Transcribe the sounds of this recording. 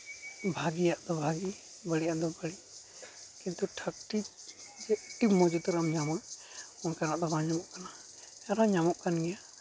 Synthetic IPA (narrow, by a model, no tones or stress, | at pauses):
bʱaɡijaʔd̪ɔbʱaɡi | bəɽijaʔd̪ɔbəɽi | kint̪uʈʰək̚ʈi | d͡ʒɛʈimɔd͡ʒut̪uɾamɲamɔjɔnkanaʔd̪ɔbaɲamɔʔkana | ɛɾaɲamɔʔkanɡɛja